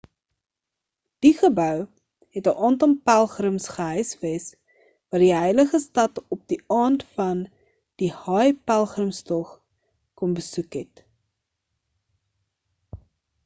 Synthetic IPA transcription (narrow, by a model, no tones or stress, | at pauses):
d̥iχəbœw | ɦɛtəʔɑːntɔmpælˠχrəmsχəɦœjsvɛs | vɑːdiɦəjləχəstɐtɔp̚diɑːntfɐn | d̥ihɑjpælˠχrəmstɔχ | kɔmbəsukɦɛt